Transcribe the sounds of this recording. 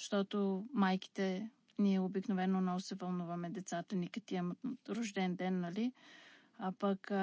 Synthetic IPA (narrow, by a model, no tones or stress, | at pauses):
ʃt̪ɔt̪omajk̟i̥t̪ɛ | niɛobiknovɛnoːnːɔvʊsɛvɐlˠnuvɐmɛd̪ɛt̪sat̪ənikət̪iɛmɾoʒd̪ɛnd̪ɛnːɐli | apɐk